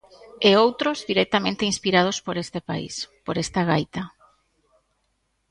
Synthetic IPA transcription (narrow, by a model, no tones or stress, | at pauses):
eowt̪ɾozðiɾek̚t̪amẽnt̪einspiɾað̞ospoɾest̪epa̰ḭspoɾest̪aɣajt̪a